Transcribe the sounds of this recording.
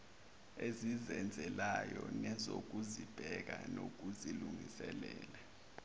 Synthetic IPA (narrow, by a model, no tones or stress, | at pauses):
ezizɛnd͡zʱɛlajɔnɛzok̬uzib̥ʱɛk̬anok̬uziluŋisɛlɛːla